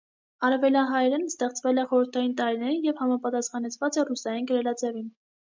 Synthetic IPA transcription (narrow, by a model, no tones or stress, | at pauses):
ɑɾɛvɛljɑnɦɑjɛɾɛnst̪ɛχt͡svɛlɛχɔɾəɾt̪ʰɑjint̪ɑɾinɛɾijɛvhɑmɑpɑt̪ɑsχɑnɛt͡sʰvɑt͡sɛrusɑjinɡəɾɛlɑd͡zɛvin